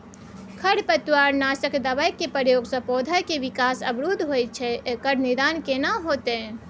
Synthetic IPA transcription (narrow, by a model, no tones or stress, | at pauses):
kʰəɽpət̪waɾnasəkd̪əbajkːepəɾjoɡsə̃pod̪ʱajkeʋikasəbɾud̪ʱɦojt̪̚t͡ʃʰɛekəɾnid̪ankenaɦot̪ɛ